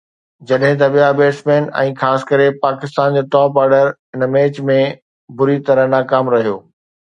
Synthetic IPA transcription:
d͡ʑɐɗɦɪ̃t̪̬ɐɓijabeːsmẽːnɛ̰̃ːxaːsɪ̥kɐɾepaːkɪst̪aːnd͡ʑoːʈɔːpaːɾɖəɾ | ɪnmeːt͡ɕmẽ | bʊɾit̪ɐɾəɦnaːkaːmɾɐɦijoː

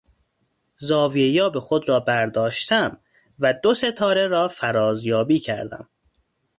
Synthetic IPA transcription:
zɒːviejɒːbexo̞d̪ɾɒːbæɾd̪ɒːʃt̪ʰæm | væd̪o̞se̞t̪ʰɒːɾeɾɒːfæɾɒːzjɒːbiːcʰæɾd̪æ̰m

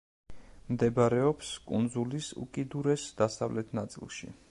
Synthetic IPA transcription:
md̪ɛbɾɛɔpskʼṵnzulisṵkʼid̪uɾɛsd̪̥asa̰vlɛt̪ʰnat̪sʼḭlˠʃḭ

